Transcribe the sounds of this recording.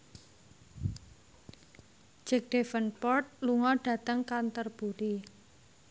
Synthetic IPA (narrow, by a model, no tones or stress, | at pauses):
d͡ʒɛk̚ɖ̥efənpɔrt̪̚luŋɔɖ̥ä̤t̪əŋkant̪ərb̥uɾi